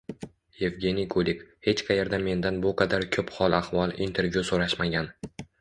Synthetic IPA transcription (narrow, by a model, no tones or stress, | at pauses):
je̞vɡʲe̞nikʰolɪkhe̞t͡ʃqʰɑjaɾd̪ame̞nd̪anbʊqʰɑd̪aɾkʲʰɵphɒlˠahvɒlˠḭnt̪ʰe̞ɾvjusoɾaʃmaɡʲan